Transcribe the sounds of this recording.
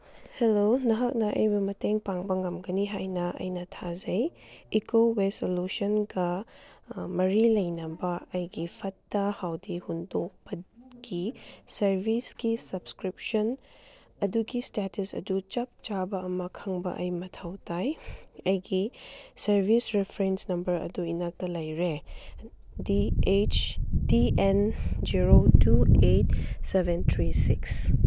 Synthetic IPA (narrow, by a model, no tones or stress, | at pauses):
helonɐɦɐk̚nɐʔɐ̰jbɐmɐteŋpaŋbɐŋɐmɡɐniɦajnɐɐ̰jnɐtʰazɐjikowesolusɐnɡɐ | mɐɾilɐjnɐbɐɐjɡipʰɐtːɐhawdihundok̚bɐɡ̥isɐɾbʱisɡisɐbskɾip̚sɐn | ɐduɡistetusɐ̰dut͡ʃɐp̚t͡ʃabɐɐmɐkʰɐŋbɐ̰ʔɐjmɐtʰɐwtʰajɐjɡisɐɾbʱisɾepʰɾensnɐmbɐɾɐ̰duinak̚tɐlɐjɾe | diet͡ʃdiend͡ʒiɾotʰuet̚sebentʰɾisiks